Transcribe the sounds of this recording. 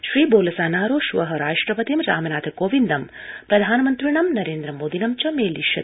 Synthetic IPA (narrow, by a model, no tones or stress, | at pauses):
ʃɾiːboːlɐsaːnaːɾoːʃuʋɐɦɐɾaːʂʈɾɐpɐt̪imɾa̰ːmɐnaːt̪ʰɐkoːʋind̪ɐm | pɾɐd̪ʱaːnɐmɐnt̪ɾiɳɐmnɐɾeːnd̪ɾɐmoːd̪inɐmt͡ʃɐmeːliʃɐ̰